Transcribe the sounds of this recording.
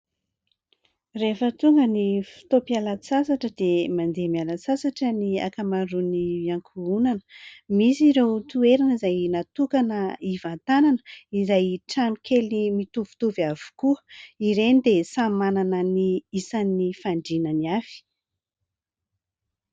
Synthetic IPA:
refət̪uŋɡənifi̥t̪opialasasaʈ͡ʂəd̪̥emand̪emialasasaʈ͡ʂənia̰kamaruniaŋkʰuunanə̥misiɾewt̪ueɾanizajnat̪ukanəivant̪ananəizajʈ͡ʂanikʰelimit̪uv̥u̥t̪uviavu̥kuəiɾenid̪esamananəniisanifaɳɖ͡ʐinəniav̥i̥

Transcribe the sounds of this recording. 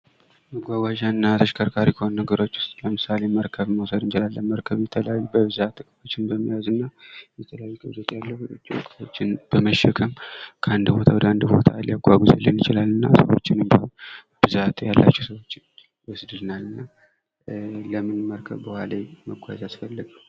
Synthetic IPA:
məɡʷaɡʷwaʒanːat̪ʰəʃkʰəɾkʰaɾikʰəhonnəɡəɾo̞t͡ʃːwʊ̥st̪ʼləmɨsale̞məɾkʰəβməwsəd̪ɨnt͡ʃɪlalːənməɾkʰəβjɛt̪ʰələjajːubəbɨzat̪ːɨkʼmo̞t͡ʃːɪnbəmːijazɨnːajɛt̪ʰələjajːuɡɨβzɛt̪jalːəwt͡ʃʼːiɨ̰kʼt̪ʰo̞t͡ʃːɪnb̥əməʃːɛkʰəmkʰəʔand̪bo̞t̪ʰawɔd̪əand̪bo̞̰t̪ʰa̰lijaɡʷaɡuzlːɨnjɪt͡ʃɪlalːɨnːa̰səwo̞̰t͡ʃːɪnɨmba | b̥ɨzat̪jalːa̰t͡ʃːɛsəwo̞t͡ʃːɪn | wɔsd̪ɨlnalːɨnːa | ləmɨnməɾkʰəβbɨhʷaleməɡʷazasfəlːəɡə

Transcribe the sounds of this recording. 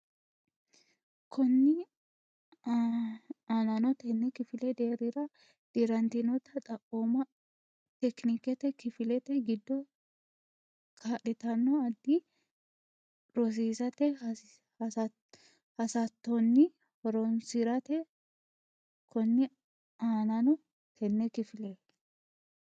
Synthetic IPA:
kʰɔnːɪ | ɐnɐnɔt̪ɛnːɛkɪfɪlɛd̪eːɾɪɾɐ | d̪̥ɪɾɐnt̪inɔt̪ɐt̪ʼɐkʼːoːmɐ | t̪ɛknikɛt̪ɛkɪfɪlɛt̪ɛɡɪd̪ːɔ | kʰaʔɪt̪ɐnːɔɐd̪ːi | ɾɔs̬iːzɐt̪ɛ | hɐsɐt̪ːɔnːɪ | hɔɾɔnsɪɾɐt̪ɛ | kʰɔnːɛ | aːnɐnɔ | tɛnːɛkɪfɪlɛ

